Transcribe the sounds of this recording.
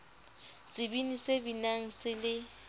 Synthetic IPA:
sɪbinisebinaŋ̩sɪlɪ

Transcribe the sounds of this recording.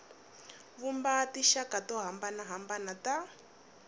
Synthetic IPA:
βumbatiʃakatɔɦambanaɦambanata

